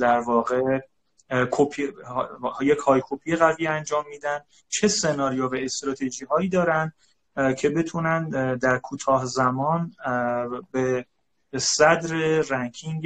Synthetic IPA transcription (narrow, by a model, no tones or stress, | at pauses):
d̪æɾvɒːɣe | kʰopʰi | jecʰhɒːjkʰopʰiːjeɣæviːænd͡ʒɒːmːiːd̪ænd̪ | t͡ʃʰe̞se̞nɒːɾijovæest̪ɾɒːt̪ʰe̞ʒiːɦɒːiːd̪ɒːɾænd̪ | cʰe̞be̞t̪ʰunænd̪æɾkʰuːt̪ʰɒːhzæmɒːn | be | sæd̪ɾeɾæŋkʰiŋɡ